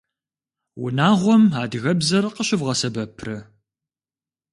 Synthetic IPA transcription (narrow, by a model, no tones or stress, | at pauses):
wʊ̰naːʁʷɔmaːdɨɣɐbzɐrqəɕɪvʁɐsɐbɐpʰrɨ